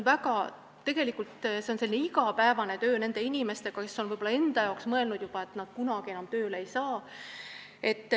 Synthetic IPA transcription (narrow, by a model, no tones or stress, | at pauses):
nvæɡɑ | t̪e̞ɡ̥e̞likːˑult̪se̞onse̞lineiɡɑpæevɑne̞t̪ø̞ːne̞nd̪̥e̞inʲime̞st̪e̞ɡ̥ɑke̞sːonvɤjb̥olɑe̞nd̪ɑjɑoksmɤe̞lnud̪̥jubɑe̞t̪ˑnɑd̪̥kunɑɡ̥ie̞nɑmt̪øːleejsɑː | e̞t̪ːˑ